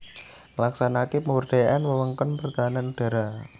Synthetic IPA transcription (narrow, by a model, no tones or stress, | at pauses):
ŋəlaksanakipəwərd̪̥a̤jaʔanwəwəŋkɔnpərt̪aɦananud̥a̤ɾa